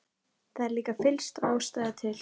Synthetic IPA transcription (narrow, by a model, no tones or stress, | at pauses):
θaðɛɾliːkafɪlst̪aːwst̪aːjðat̪ʰɪl̥